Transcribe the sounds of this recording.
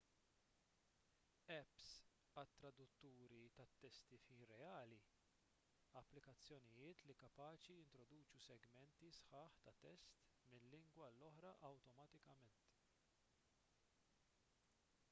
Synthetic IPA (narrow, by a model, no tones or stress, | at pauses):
ɛps | ɐt̪ːɾɐd̪ʊt̪ːuːɾit̪ɐt̪ːɛst̪ifiːnɾɛɐːli | ɐpːlɪkɐt͡sːjɔnɪjɪːt̪likɐpɐːt͡ʃijɪnt̪ɾɔd̪uːt͡ʃusɛɡmɛnt̪isħɐːħt̪ɐt̪ːɛst̪ | mɪnːɪŋɡwɐlːɔħɾɐʔɐwt̪ɔmɐt̪ɪkɐmɛnt̪